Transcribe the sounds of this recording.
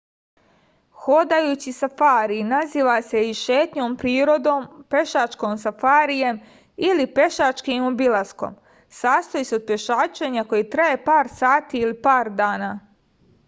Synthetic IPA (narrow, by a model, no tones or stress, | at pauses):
xod̪ajuːt͡ɕisafaːɾinaziːʋase̞iʃe̞ːt̪ɲo̞mpɾiːɾo̞d̪oːmpe̞ʃat͡ʃko̞ːmsafaːɾije̞m | ilipe̞ʃat͡ʃkimobilˠasko̰m | saːst̪ojiseod̪̚pje̞ʃaːt͡ʃe̞ɲako̞jit̪ɾaje̞paːɾsaːt̪iːlipaːɾd̪aːnaː